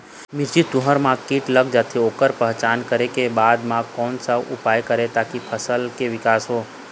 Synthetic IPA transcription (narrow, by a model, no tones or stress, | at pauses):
mɪɾd͡ʒit̪ʊɦəɾmãkiʈləɡd͡ʒaːt̪ʰeoːkəɾpəɦt͡ʃaːnkəɾekebaːd̪mãkɔːnsəṵpaːjkəɾet̪akipʰəsəlkeʋɪkaːsɦoː